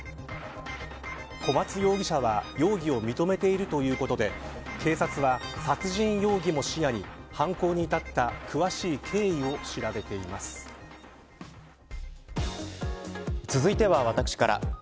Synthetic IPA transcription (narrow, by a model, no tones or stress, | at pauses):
kʰo̞mat͡sɨjo̞ːɡʲiɕaβajo̞ːɡʲio̞mʲit̪o̞me̞t̪e̞iɾɯ̟t̪o̞jɯ̟ːko̞t̪o̞d̪e̞ | kʰe̞ːsat͡sɨβasat͡sɨʑĩɰ̃jo̞ːɡʲimo̞ɕijaɲ̟ihãŋko̞ːɲ̟iːt̪at̪ːakʰɯ̟βaɕiːkʰe̞ːio̞ɕiɾabe̞t̪e̞imasɨ̥ | t͡sɨzɨit̪e̞βaβat̪akɯ̥ɕi̥kaɾa̰